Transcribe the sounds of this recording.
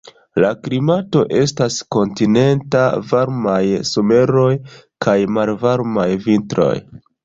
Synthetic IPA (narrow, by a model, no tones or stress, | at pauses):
laklimato̞ʔe̞stasko̞ntine̞ntavaɾmajsome̞ɾo̞jkajmalvaɾmajvintɾo̞̰j